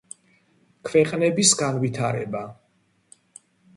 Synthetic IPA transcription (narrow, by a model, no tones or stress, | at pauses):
kʰwɛqʼnɛbisɡanvit̪ʰaɾɛ̰ba